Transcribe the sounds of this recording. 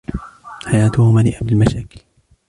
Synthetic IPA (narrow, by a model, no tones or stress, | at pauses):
ħajaːt̪ʊhʊmaːlɪʔabɪlmaʃaːkɪl